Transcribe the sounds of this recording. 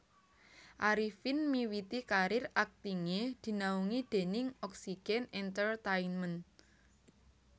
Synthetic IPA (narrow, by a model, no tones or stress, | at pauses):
ʔaɾifɪnmiwit̪ikaɾɪrak̚t̪iŋed̪̥i̤nauŋid̪̥e̤nɪŋɔksiɡ̥ɛnɛnt̪ərt̪ainmən